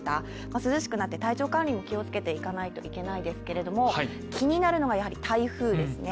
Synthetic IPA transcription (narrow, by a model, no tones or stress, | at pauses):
t̪a | masɨzɨɕi̥kɯ̟nat̪ːe̞t̪ait͡ɕo̞ːkãñɾʲimo̞kʲio̞t͡sɨ̥ke̞t̪e̞ikanait̪o̞ʔike̞naid̪e̞sɨ̥ke̞ɾe̞d̪o̞mo̞ | kʲiɲ̟inaɾɯ̟no̞ɡajahaɾʲit̪aiɸɯ̟ːd̪e̞sɨne̞